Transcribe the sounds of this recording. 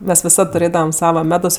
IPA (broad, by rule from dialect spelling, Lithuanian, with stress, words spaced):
ˈmʲɛs ʋʲɪˈsɐt tʊˈrʲeːdɐʋɐm ˈsɑːʋɐ ˈmʲæːdoːs